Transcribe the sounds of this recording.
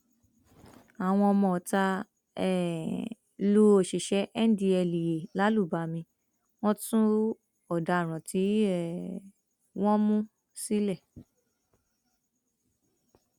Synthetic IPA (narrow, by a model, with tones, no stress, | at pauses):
a˨w̃ɔ̃˧ɔ˧mɔ̃˧˨ɔ˨ta˧ | ɛ˨ | lu˦o˨ʃi˨ʃɛ˨˦ʔɛ˦n˦di˧ɛ˧li˨je˨la˨˦lu˦˨ba˨˦mĩ˧ | w̃ɔ̃˦tũ˦ | ɔ˨da˧˨ɾ̃ã˨ti˨˦ɛ˦˨ | w̃ɔ̃˦mũ˦ | si˦lɛ˦˨